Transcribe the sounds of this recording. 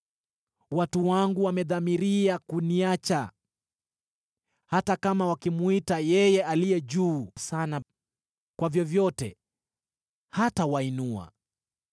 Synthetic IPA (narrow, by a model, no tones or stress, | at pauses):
watuwaŋɡuwamɛðamiɾiakuniat͡ʃa | hatakamawakimuitajɛjɛʔalijɛʄuːsana | kwavjɔvjɔtɛ̰ | hatawainua̰